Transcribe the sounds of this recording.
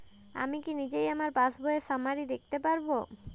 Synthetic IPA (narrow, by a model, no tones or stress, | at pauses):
a̰mikinid͡ʑejamaɾbasboesamaɾid̪ek̚t̪epaɾbo